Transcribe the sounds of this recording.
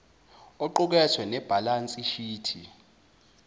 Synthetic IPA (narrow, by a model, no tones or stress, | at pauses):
ɔǃuk̬ɛsʰwɛnɛb̥ʱalant͡sʼiʃiːtʰi